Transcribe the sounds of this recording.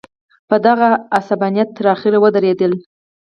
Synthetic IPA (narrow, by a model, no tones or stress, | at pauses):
pəd̪aɣaːsabanjat̪ːəɾɑxɪɾewəd̪əɾed̪əl